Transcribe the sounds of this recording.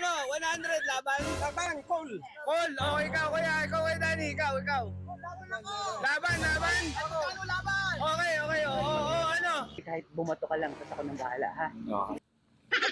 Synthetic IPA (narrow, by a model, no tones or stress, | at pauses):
nowanhand̪ɾɛd̪̚laːbanlaːbankol | koloɪkawkɐjaʔɪkawkɐjad̪aːniɪkawɪkaw | laːbɐnlaːbɐnlaːbaʔoːkɛjoːkɐjooʔoʔoɐnokaːhɪt̪̚bʊmɐt̪okɐlɐŋt̪ɐsɐkonɐŋba̰ːlɐ̰ʔhao̰